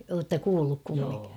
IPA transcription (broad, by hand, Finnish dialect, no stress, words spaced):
oːtːɑ kuːlːuk kumːiŋki